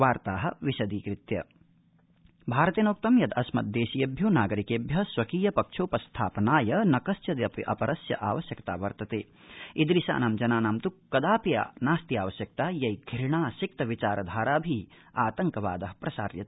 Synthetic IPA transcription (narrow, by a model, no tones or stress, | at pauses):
ʋaːɾt̪aːɦɐ̆ʋiʃɐd̪iːkɾit̪jɐ̰ | bʱaːɾɐt̪inoːk̚t̪ɐmjɐd̪ɐsmɐ̰t̪̚d̪eːʃijeːbʱjoːnaːɡɐɾikeːbʱjɐsʋɐkiːjɐpɐkʂʰoːpɐst̪ʰaːpɐnaːjɐnɐkɐsjɐd̪ɐpiʔɐ̰pɐɾɐsjɐ̰ʔaːʋɐʃjɐkt̪a̰ːʋɐɾt̪ɐt̪ḛː | id̪ɾisa̰ːnaːmd͡ʒɐnaːnaːmt̪ukːɐd̪aːpija̰ːnaːst̪iaːʋɐʃjɐk̚t̪aːjɐjɡʱiɾɳaːsik̚t̪ɐʋit͡ʃaːɾɐd̪ʱaːɾaːbʱi | aːt̪ɐŋkɐʋa̰ːd̪ɐɦɐ̥pɾɐsaːɾjɐt̪